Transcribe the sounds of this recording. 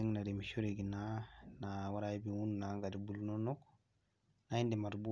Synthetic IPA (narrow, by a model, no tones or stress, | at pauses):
ɛŋnadimiʃuɾeɡinanawaɾaibiwunnaŋɡadibulnɔnɔk | naindimaɾbu